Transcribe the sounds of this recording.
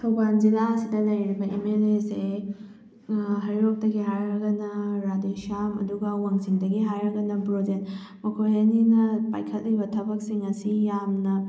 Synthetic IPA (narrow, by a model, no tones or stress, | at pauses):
tʰɐwband͡ʒilaɐsidɐlɐjɾibɐemelese | ɦɐɾiɾok̚dɐɡiɦajɾɐɡɐnɐɾadeʃamɐ̰duɡɐwaŋsiŋdɐɡiɦajɾɐɡɐnɐpɾod͡ʒek̚t | mɐkʰojɐninɐpa̰jkʰɐt̚libɐtʰɐbɐk̚siŋɐsijamnɐ